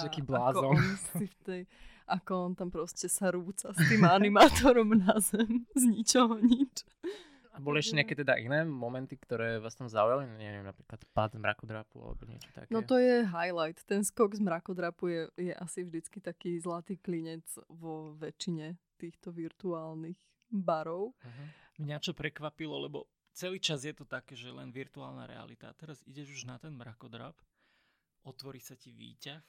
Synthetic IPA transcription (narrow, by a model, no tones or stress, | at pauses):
t̪akiːblaːzɔnsift̪ɛjʔakɔɔnt̪ampɾɔscɛsaɾuːt͡sast̪iːmanimaːt̪ɔɾɔmnazɛmzɲit͡ʃɔɦɔɲit͡ʃ | abɔliɛʃcɛɲɪakɛt̪ɛd̪aʔinɛːmɔmɛnt̪ikt̪ɔɾɛːʋaːst̪amzaujaliɲɛʋiɛmnapɾiːklat̪pad̪zmɾa̰kɔd̪ɾapṵa̰lɛ̰bɔɲɪɛ̰t͡ʃɔ̥t̪a̰knɔt̪ɔjɛɦajlajt̪ːɛnskɔɡzmɾakɔd̪ɾapujɛjɛʔasivʒd̪it͡skit̪akiːzlat̪iːkliɲɛd͡zʋɔʋɛt͡ʃiɲɛt̪iːxt̪ɔʋiɾt̪uaːlnix | baɾɔʊɦ̩mɲat͡ʃɔpɾɛkʋapilɔlɛbɔ | t͡sɛliːt͡ʃazjɛt̪ɔt̪akɛːʒɛlɛnʋiɾt̪uaːlˠna̰ɾɛ̰a̰lit̪aːt̪ɛɾazḭɟɛʒuʒnat̪ɛnmɾakɔd̪ɾa̰p | ʔɔt̪ʋɔɾisaciʋḭːcax